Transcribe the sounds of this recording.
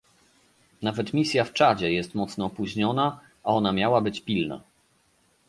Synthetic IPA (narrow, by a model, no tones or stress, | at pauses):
navɛt̪mʲisʲjaft͡ʂad͡ʑɛjɛst̪mɔt̪snɔːpuʑɲɔna | ʔaɔnamʲjawabɘt͡ɕpʲilna̰